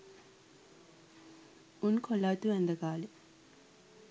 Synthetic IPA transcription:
unkʰolaːt̪uʋɛnd̪ɐkaːle

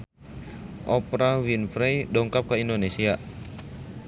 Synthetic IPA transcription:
ʔɔpɾawinfɾɛjdɔŋkap̚kaindonesia

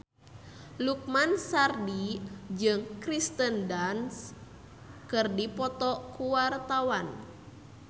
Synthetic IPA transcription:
luk̚mansardid͡ʒɨŋkɾist̪əndans | kɨrdipɔt̪ɔkuwart̪awan

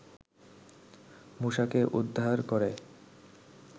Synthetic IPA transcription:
muʃakeʔud̪ʱːaɾkoɾe

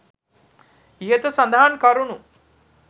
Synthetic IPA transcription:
iɦet̪əsɐnd̪aɦankɐɾunu

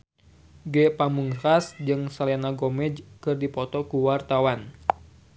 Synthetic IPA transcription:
ɡɛpamuŋrasd͡ʒɨŋsalanaɡomɛd͡ʒkɨrdipɔt̪ɔkuwart̪awan

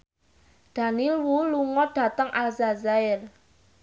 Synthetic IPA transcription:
ɖ̪̥a̤nilwuluŋɔd̥ä̤t̪əŋʔalzazaɪr

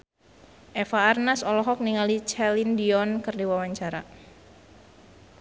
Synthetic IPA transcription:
ʔɛfaːrnasɔlɔɦɔk̚niŋalit͡ʃɛlindiɔnkɨrdiwawaɲt͡ʃaɾa

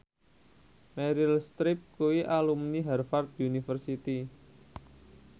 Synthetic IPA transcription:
mɛɾilst̪ɾɪp̚kuwiʔalumniɦɛrfart̪̚unifərsit̪i

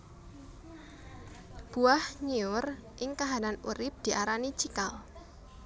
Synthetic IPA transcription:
b̥uahɲiʊrʔɪŋkaɦananuɾɪp̚d̪̥iʔaɾanit͡ʃikal

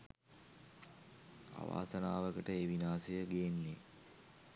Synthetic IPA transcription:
a̰ʋa̰ːsənaːʋəkəʈəeʋinaːsejəɡeːnːe

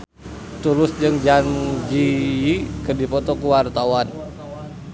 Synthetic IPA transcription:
t̪ulʊsd͡ʒɨŋd͡ʒand͡ʒiikɨrdipɔt̪ɔkuwart̪awan

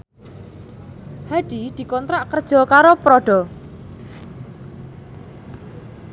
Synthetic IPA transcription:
haɖ̥id̪̥i̤kɔnt̪ɾaʔkərd̥ʒ̥ɔ̤kaɾopɾɔɖ̥ɔ̤

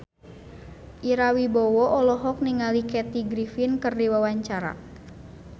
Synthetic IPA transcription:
ʔiɾawibɔwɔʔɔlɔɦɔk̚niŋalikɛt̪iɡɾifinkɨrdiwawaɲt͡ʃaɾa̰

